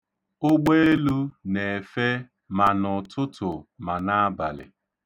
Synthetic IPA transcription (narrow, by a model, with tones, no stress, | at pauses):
ʊ˦ɡ͡be˦e˦lu˦ne˨e˨fe˦ | ma˨nʊ˨tʊ˦tʰʊ˨ma˨na˦a˦ba̰˨lɪ̰˨